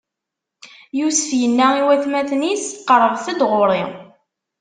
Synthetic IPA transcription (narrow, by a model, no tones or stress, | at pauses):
jusə̥fjənːæiwæθmæθnisqəɾˤːəvθəd̪ʁʊɾˤi